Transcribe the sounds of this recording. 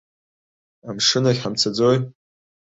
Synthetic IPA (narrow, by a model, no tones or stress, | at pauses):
amʂɨnaħamt͡sʰad͡zoj